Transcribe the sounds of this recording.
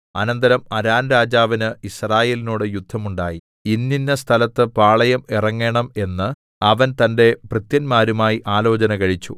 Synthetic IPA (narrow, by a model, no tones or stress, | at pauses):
ɐnɐnd̪ɐɾɐmɐɾaːnɾaːd͡ʑaːʋinɨisraːje̞ːlinoːɽɨjud̪ʱːɐmuɳɖaːji | inːinːɐst̪ʰɐlɐt̪ːɨpaːɭɐjɐmirɐŋːe̞ɳɐme̞nːɨ | ɐʋɐnt̪ɐnde̞prɨt̪jɐnmaːɾumaːjiʔaːlo̞ːt͡ɕɐnɐkɐɻit͡ɕːṵ